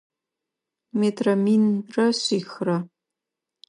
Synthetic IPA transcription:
metʰrɐminrɐɕiːxrɐ

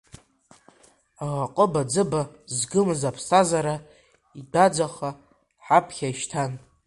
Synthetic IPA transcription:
aʁaqʼəbad͡zɨbazɡɨmzapʰsazaɾa | idad͡zʷaχa | ħapʰχʲaʃtʰan

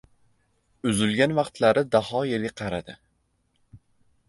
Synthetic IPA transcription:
ʊzɪlɡʲanvɑqt̪laɾɪd̪ahɒjelɡʲaqʰɑɾad̪ɪ

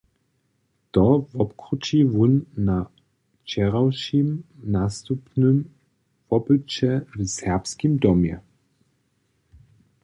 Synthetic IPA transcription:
t̪ɔvɔpkɾut͡ʃivunːa | t͡ʃɛʁawʃimnast̪upnɨm | vɔbɨt͡ɕɛvsɛʁpskimd̪ɔmjɛ̰

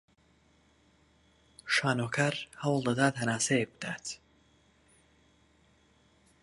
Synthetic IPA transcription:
ʃaːnoːkʰaːɾhɐwlˠd̪ɐd̪aːt̪hɐnaːsejek̚bɨd̪̥aːt̪ʰ

